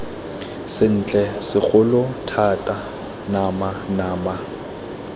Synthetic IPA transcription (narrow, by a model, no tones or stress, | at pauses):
sɪn̩t͡ɬʼɛsɪk͡xʊlʊtʰatʼa | namanaːma